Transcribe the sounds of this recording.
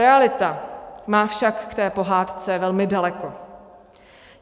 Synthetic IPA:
ɛalɪt̪amaːfʃakːt̪ɛːpo̞ɦaːt̪t͡sɛvɛlmɪdalɛko̞

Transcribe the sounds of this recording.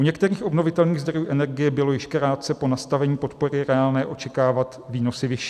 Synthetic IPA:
ʔuɲɛkt̪ɛɾiːxʔo̞bno̞vɪt̪ɛlniːɣzd̪ɾo̞juːʔɛnɛɾɡɪjɛbɪlo̞jɪʃkɾaːt̪̚t͡sɛpo̞nast̪avɛɲiːpo̞t̪po̞ɾɪɾɛaːlnɛːʔo̞t͡ʃɛkaːvat̪viːno̞sɪvɪʃiː

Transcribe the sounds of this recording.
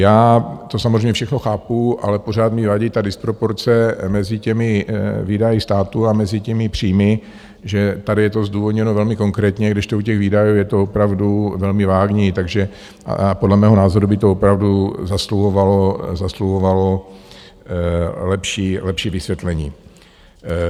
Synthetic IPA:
jaːt̪o̞samozreɛjmɲɛfʃɛxnoxaːpuʔa̰lɛpor̝aːt̪mɪvaɟit̪adɪspɾo̞po̞ɾt͡sɛmɛzɪcɛmɪvidajɪst̪aːt̪uamɛzɪcɛmɪpr̥iːmɪ | ʒɛt̪adɪjɛt̪o̞zduːvo̞d̪ɲɛno̞vɛlmɪko̞ŋkɾɛːt̪ɲɛɡdɪʃt̪oucɛɣviːdajuːjɛt̪oopɾavduvɛlmɪvaːɡɲit̪aɡʒɛ̰ | podlɛmɛːɦo̞naːzo̞ɾubɪt̪oopɾavduzasluɦovalozasluɦovalo̞ | lɛpʃiːlɛpʃiːvɪsvjɛt̪lɛɲiː

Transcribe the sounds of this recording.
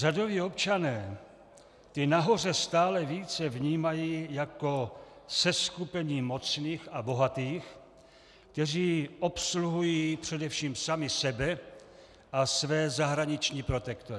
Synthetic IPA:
r̥ado̞viːo̞pt͡ʃanɛː | t̪ɪnaɦo̞r̝ɛst̪aːlɛviːt͡sɛvɲiːmajiːjako̞sɛskupɛɲiːmo̞t͡sniːxabo̞ɦat̪iːx | kt̪ɛriːʔo̞psluɦujiːpr̝̥ɛdɛfʃiːmsamɪsɛbɛ | ʔasvɛːzaɦɾaɲɪt͡ʃɲiːpɾo̞t̪ɛkt̪oɾ

